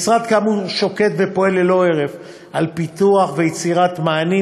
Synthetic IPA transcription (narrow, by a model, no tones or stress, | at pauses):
sʁad̪kamuʃo̞ke̞t̪ve̞po̞elːelo̞e̞ʁef | alpit̪uaχvejet͡siʁat̪maːni